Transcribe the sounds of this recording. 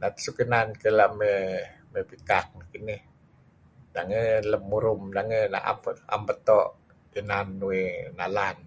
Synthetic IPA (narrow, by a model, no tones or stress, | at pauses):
nat̪sukənankəlaʔmə | məpikak̚nakineh | daŋələmːuɾumdaŋəna̰ʔa̰pəa̰mpət̪ɔʔ | ənanːuwenalan